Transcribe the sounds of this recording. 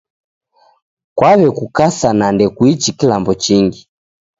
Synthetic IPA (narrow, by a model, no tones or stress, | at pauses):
kwaβɛkukasanandɛkwit͡ʃikilambɔt͡ʃiŋɡi